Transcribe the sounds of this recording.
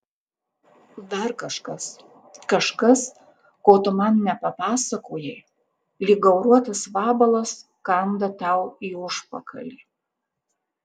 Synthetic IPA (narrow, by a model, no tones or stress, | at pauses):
d̪ɐɾkɐʃkɐs | kɐʃkɐs | koːt̪ʊmɐnnʲɛpɐpɑːsɐkoːjɛ | lʲiːɡɐʊɾuɔt̪ɐsʋɑːbɐlˠɐs | kɐnd̪ɐt̪ɐʊiːʊʃpɐkɐ̰lʲiː